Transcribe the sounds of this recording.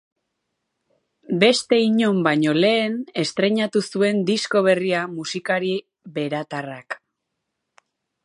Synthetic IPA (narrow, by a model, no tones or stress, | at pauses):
be̞st̪e̞iɲo̞mbaɲo̞le̞ːne̞st̪ɾe̞ɲat̪usue̞nd̪isko̞β̞e̞riamusikaɾi | βe̞ɾat̪arak